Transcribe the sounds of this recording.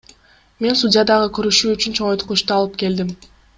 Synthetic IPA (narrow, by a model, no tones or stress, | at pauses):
me̞nsudʲɪjad̪ɑʁɯkøɾyʃyːyt͡ʃynt͡ʃʰoɴojt̪quʃt̪uɑlˠɯpke̞ld̪im